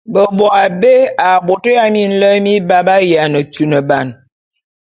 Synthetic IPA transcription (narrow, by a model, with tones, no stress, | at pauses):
bə˨bɔ˨a˨be˦a˨bo˨tə˦ja˦mi˦n̩˦lə˦mi˦ba˦ba˦ja˨nə˨tu˨nə˨ba˦˨n